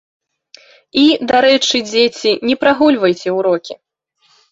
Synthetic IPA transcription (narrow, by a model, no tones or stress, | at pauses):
id̪aɾɛt͡ʂɨd͡zʲet͡sʲinʲɛpɾaɣulʲvɐjt͡sʲɛuɾɔkʲi